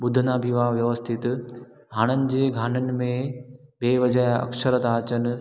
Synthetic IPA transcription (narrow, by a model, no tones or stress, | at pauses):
ɓʊd̪ʱənabʱiʋaʋjɐʋəst̪ʰɪt̪ | ɦaːɽ̃ənɪ̆d͡ʑeːɡʱaːnənɪ̆mẽ | beːʋɐd͡ʑajɐ̰ksəɾət̪aːt͡ɕənɪ̆